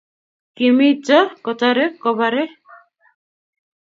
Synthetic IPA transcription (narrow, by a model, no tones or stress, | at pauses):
kimit͡ʃɔkɔt̪aɾekɔbaɾɛ